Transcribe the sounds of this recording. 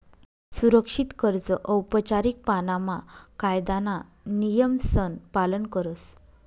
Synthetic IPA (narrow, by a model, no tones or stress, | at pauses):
suɾəkʂit̪kəɾd͡zəʔəwpət͡ɕaɾik̚panamakajd̪ana | nijəmsənpalənkəɾəs